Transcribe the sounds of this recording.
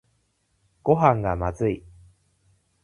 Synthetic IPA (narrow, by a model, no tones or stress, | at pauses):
ɡ̥o̞ɦãŋɡamazɨi